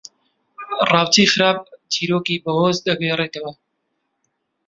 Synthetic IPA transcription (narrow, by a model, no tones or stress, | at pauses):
rɑːwt̪iːχɨɾaːb̚t͡ʃʰiːɾoːkibɐhoːzd̪ɐɡeret̪ɐwɐ